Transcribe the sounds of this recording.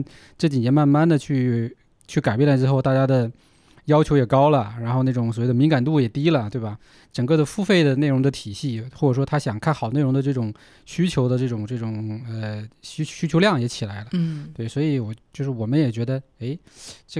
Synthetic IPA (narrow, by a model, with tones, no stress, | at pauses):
ʈ͡ʂɤ˥˩t͡ɕi˨˩njɛ˥ma˥˧nma˥˩nd̪ə˨t͡ɕʰy˥˧ | t͡ɕʰy˥˩ka˨˩ɪp̬jɛ˥˩nlʈ͡ʂɻ̩˥xo˥˧ʊt̪a˥˩t͡ɕja˥d̪ə˨ | jɑ˥ʊt͡ɕʰjo˧˥jɛ˨˩kɑ˥ʊlə˨ɻa˧˥nxo˥˧ʊna˥˩ʈ͡ʂʊ˧˩ŋswɔ˨˩we˥˩ɪd̪əmi˧˥ŋka˨˩nt̪u˥˩jɛ˨˩t̪i˥lə˨t̪we˥˩bɐ˩ | ʈ͡ʂə˨˩ŋkɤ˥˩d̪ə˩fu˥fe˥˩ɪd̪ə˩ne˥˩ɪɻʊ˧˥ŋd̪ə˧t̪ʰi˨˩ɕi˥˩xo˥˩ʈ͡ʂɤ˨˩ʂwɔ˥t̪ʰa˥ɕjɑ˨˩ŋkʰa˥˩nxɑ˨˩ʊne˥˩ɪɻŋd̪ə˧ʈ͡ʂɤ˥˩ʈ͡ʂʊ˨˩ŋ | ɕy˥t͡ɕʰjo˧˥ʊd̪ə˧ʈ͡ʂɤ˥˩ʈ͡ʂʊ˨˩ŋʈ͡ʂɤ˥˩ʈ͡ʂʊ˨˩ŋə˧ɕɕy˥t͡ɕʰjo˧˥ljɑ˥˩ŋjɛ˧˥t͡ɕʰi˨˩la˧˥ɪlə˧t̪we˩ɪswɔ˧˥i˧˥wɔ˨˩t͡ɕjo˥˧ʂɻ̩˥˩wɔ˨˩mə˦njɛ˨˩t͡ɕɥɛ˧˥d̪ə˧e˧˥ɪʈ͡ʂ